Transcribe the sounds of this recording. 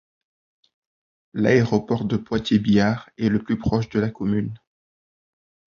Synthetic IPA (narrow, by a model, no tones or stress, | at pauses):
la̰eʁɔpɔʁd̪əpwat̪jebijaːʁɛləplypχɔʃd̪əlakɔmyn